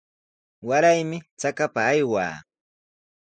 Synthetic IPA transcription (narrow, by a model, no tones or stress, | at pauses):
waɾajmɪt͡sakapaːjwa̰ː